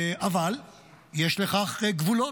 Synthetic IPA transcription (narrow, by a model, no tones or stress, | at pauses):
ʔaval | jeʃleχaχɡvulo